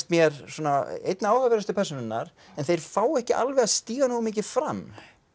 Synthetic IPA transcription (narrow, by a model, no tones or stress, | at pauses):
st̪mjɛɾsɔːnaḛjt̪naaːwhavɛɾast̪ʏpʰɛrsonɪnːaɾ̥ | ɛnθejɾ̥faːwɛhcɪʔa̰lvɛɣast̪iːɣanoɣʏmiːcɪfɾamː